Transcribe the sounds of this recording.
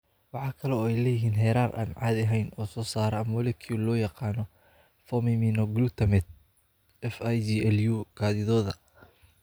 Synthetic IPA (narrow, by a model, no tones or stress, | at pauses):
wɑħɑːkʰɐlɔɛjlɛːjɪɦiːnɦɛːɾaːrʔa̰ːnʕɑːd̪ɐɦɛjnɔːsɔːsaːɾɐɐmɔlɛkʰiːlɔːjɑqɑːnɔ | fɔmɪmiːnɔɡluːt̪ʰɐmɛt̪̚ | ɛfjd͡ʒiɛljuɡ̥aːðɪðɔːðɐ